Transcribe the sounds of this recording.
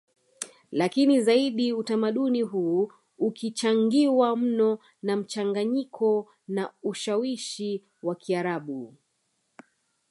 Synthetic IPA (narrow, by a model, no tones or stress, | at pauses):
lakinizaiɗiutamaɗuniɦuː | ukit͡ʃaŋɡiwam̩nɔ | nam̩t͡ʃaŋɡaɲikʰɔ | nauʃawiʃi | wakʰiaɾaɓu